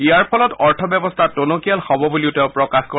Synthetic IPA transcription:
iaɹpʰɔlɔtɔɹtʰɔbjɔbɔstʰatonokijalhɔbɔbuliʊtɛʊpɹɔkaxko

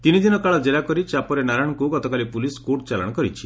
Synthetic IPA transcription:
t̪inid̪inɔkaɭɔd͡ʒelakɔɾit͡ʃapɔɾenaɾaɽ̃ɔkuɡɔt̪ɔkalipuliskoʈt͡ʃalɔ̰ɽ̃ɔkɔɾit͡ʃʰi

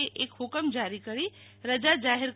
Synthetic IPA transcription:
eʔeːkɦʊkəmd͡ʒaːɾikəɽi | ɾəd͡ʒad͡ʒaːɦɪɾk

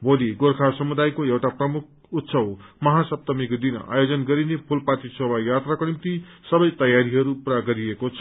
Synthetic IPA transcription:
bʱoliɡorkʰasʌmud̪ajkoewʈaprʌmuk̚ʰ | ut̪sʰʌwmʌɦasʌp̚t̪ʌmikd̪in̰a̰jod͡zʌnɡʌɾinepʰulpat̪isʌbajat̪rakonimt̪isʌbʌjt̪ʌjaɾiɦʌɾupuɾaɡʌɾiekot͡sʰʌ

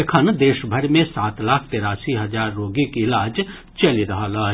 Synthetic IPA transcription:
ekʰənd̪eːʃbʱəɾmẽsaːt̪laːkʰt̪eːɾaːsiɦɐzaːɾːoːɡikiɪlaːd͡ʒ | t͡ʃɐliɾɐɦalaː

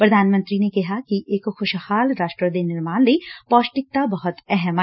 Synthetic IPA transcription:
pɾɐd̪ʱaːnmə̃nt̪ɾinekɐɦakiʔeːkxʊʃhaːlɾaːʃʈɾəd̪inɪɾmaːnlipɔːʃʈɪk̚t̪abɐɦʊt̪ɛɦɛm

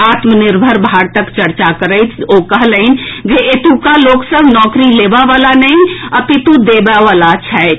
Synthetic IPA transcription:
aːt̪mənɪɾbʱəɾbʱaːɾt̪əkt͡ʃɐɾt͡ʃakəɾəɪt͡ʃʰoːkəɦləɪnd͡ʒeʔet̪ukaloːksəbʱnɔːkɾileːʋaʋalanəɦĩɐpit̪ud̪eːbaʋaːlat͡ʃʰɛ

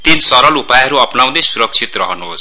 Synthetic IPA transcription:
t̪insʌɾʌlupajɦʌɾuʌpnaw̃d̪ʌjsuɾʌk̚t͡sʰit̪rʌɦʌnuɦos

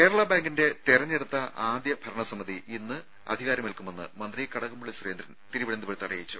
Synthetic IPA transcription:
ke̞ːɾɐɭabaːŋɡinde̞t̪erɐɲːeɽut̪ːɐʔaːd̪jɐbʱɐɾɐɳɐsɐmːɐðiinːɨ | ɐ̰d̪ʱiɣaːɾɐmelkumenːɨ̰mɐnd̪rijekːɐɽɐɣumuɭisreːnd̪ɾɐnt̪iɾuʋiɭɐnd̪ɨboɾt̪ɐrɐjjit͡ɕːu

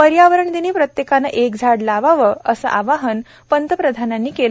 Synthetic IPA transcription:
pəɾjaʋəɾəɳd̪iniːpɾət̪jekanːəʔekd͡zʱaɽlaʋaʋəəsə̰ʔaʋaɦən | pənt̪əpɾəd̪ʱananːiːkel

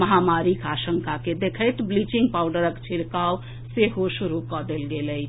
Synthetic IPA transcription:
məɦamaɾikaʃəŋkaked̪ekʰəjt̪blit͡ʃiŋɡ̚paʊɖəɾəkt͡ʃʰiɽkaw | seɦosuɾukɔd̪elɡeləɪ

